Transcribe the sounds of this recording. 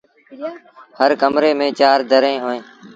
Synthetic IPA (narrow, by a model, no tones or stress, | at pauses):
həɾkəmɾeːmẽːt͡ʃaːɾd̪ʱəɾẽːɦoːẽː